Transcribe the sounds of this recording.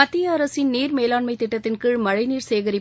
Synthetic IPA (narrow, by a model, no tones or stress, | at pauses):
ɐt̪ːiɐːɾɐsɪnniːɾmeːlaːɳmɐɪt̪ːɪʈːɐt̪ːɪnkɯɻmɐɻɐɪniːɾseːɣɐɾɪ